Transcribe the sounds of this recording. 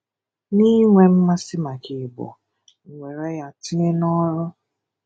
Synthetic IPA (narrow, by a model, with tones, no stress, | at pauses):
ni˦ŋʷe˦m̩˦ma˦sɪ˦ma˨kɪ˨bɔ̰˨ | ŋ̩˨ŋʷe˨ɾe˦ja˨ti˦ne˦nɔ˦ɾʊ˦